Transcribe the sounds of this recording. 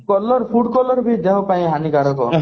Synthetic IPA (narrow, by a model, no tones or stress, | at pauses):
kɔlɔɾpʰuʈkɔlɔɾbʱid̪eɦopaĩɦanikaɾɔkɔ̰